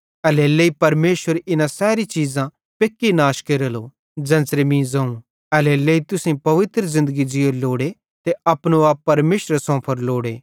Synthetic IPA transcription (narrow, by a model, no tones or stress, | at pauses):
ɐleleipɐɾmeːʃʋəɾɪnãsɛːɾit͡ʃiːzã | pekːinaːʃkeɾəlo | d͡ʒɐ̃ːnsɾemĩːzɐ̃ũ | ɐleleːit̪ʊsẽpɐʋɪt̪ɾəzɪ̃nd̪əɡid͡ʒɪoloːɽe | t̪eɐpnoaːpːɐɾmeːʃɾəsɔ̃ːpʰɐɾloːɽeː